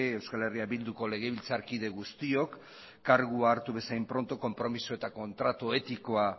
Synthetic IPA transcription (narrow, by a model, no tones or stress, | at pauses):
ewskale̞riabild̪uko̞le̞ɣ̞e̞β̞ilt͡saɾkið̞e̞ɣust̪io̞kː | aɾɣuaːɾt̪uβe̞sajmpɾo̞nt̪o̞ko̞mpɾo̞misoe̞t̪ako̞nt̪ɾat̪oe̞t̪iko̞a